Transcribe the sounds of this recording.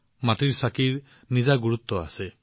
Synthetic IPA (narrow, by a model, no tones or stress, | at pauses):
maʈiɾsakiɾ | nizaɡuɾut̪ːɔa̰se